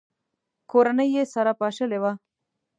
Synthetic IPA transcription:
koɾanəjːesaɾapɑʃəlewa

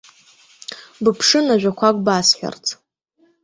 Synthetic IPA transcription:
bɨpʰʂɨnaʒᶣʷakʷʰakʷʼbasħʷᶣa̰rt͡sʰʼ

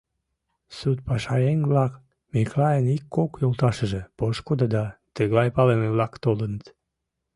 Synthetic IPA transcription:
sut̪̚pɑʃɑjenʲβlɑk | miklɑjənikːokjolt̪ɑʃəʒĕpoʃkud̪əd̪ɑt̪əɣlɑjpɑleneβlɑkt̪olənət̪

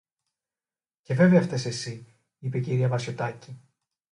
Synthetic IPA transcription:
ce̞ve̞veɐft̪esesi | ipe̞ciɾiɐvɐsço̞t̪ɐci

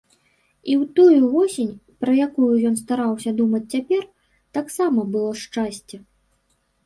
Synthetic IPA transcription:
iwt̪ɔjuvɔsʲenʲpɾɐjakujujɔnst̪aɾawsʲɐd̪umɐt͡sʲt͡sʲapʲɛr | t̪aksamɐbɨlˠɔʂt͡ʂasʲt͡sʲɛ

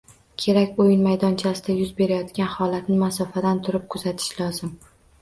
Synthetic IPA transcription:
kʲʰe̞ɾakʲojɪnmajd̪ɒnt͡ʃʰasɪd̪ajʊzbe̞ɾajɒt̪kʲanhɒlat̪nɪmasɒfad̪ant̪ʰʊɾɪp̚kʰʊzat̪ʰɪ̥ʃlɒzɪm

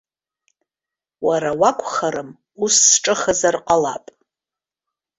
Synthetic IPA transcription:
waɾawakʷʰʼχaɾɨm | usːʈ͡ʂʼɨχazarqʼala̰pʼ

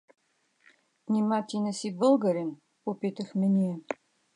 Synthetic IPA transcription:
nʲimat̪ʲinəsibɤlˠɡəɾɛn | popit̪əxmɛnʲijɛ

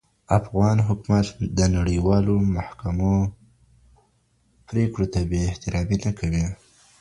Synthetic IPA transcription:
afɣɑnɦʊkmat̪d̪ənaɽəwɑlomahkamo | pɾekɽot̪abeɪht̪ɪɾɑminakʰawi

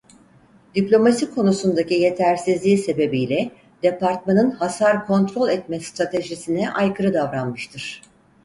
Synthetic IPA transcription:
d̪̥iplʲo̞masikʰo̞nusund̪acije̞t̪ʰæɾsizlʲiːse̞be̞bijlʲɛ | d̪̥epaɾt̪̚manɯnhasaɾkʰo̞nt̪ɾo̞lʲɛt̪̚mɛst̪ɾat̪ʰe̞ʒisinɛʔajkʰɯɾɯd̪avɾanmɯʃt̪ʰɯɾ̥

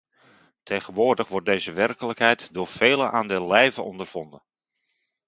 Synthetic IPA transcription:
tʰejχənʋʊːrdəχʋɔt̚dejzəʋɛrkələkɦɛjtdʊːɹfeːləʔaːndɪːlːɛjvəɔndərv̥ɔndən

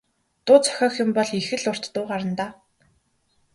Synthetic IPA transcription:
t̪ʊːt͡sʰœ̥xʲɔːxjʊmpɔɮixɘ̆ɮʊr̥t̪ːʊːɢaɾə̆nt̪aː

